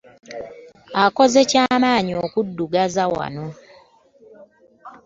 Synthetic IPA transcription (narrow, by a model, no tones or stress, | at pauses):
akozecamaːɲiokudːuɡazawa̰no